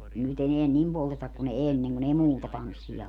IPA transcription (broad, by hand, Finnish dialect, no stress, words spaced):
nyt eneæn nim poltetɑk kun enːeŋ kun ei muːtɑ tɑnsːij̆ɑ